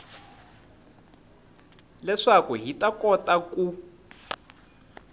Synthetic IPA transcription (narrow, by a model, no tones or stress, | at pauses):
lɛʂakuɦitʼakʼɔtʼaku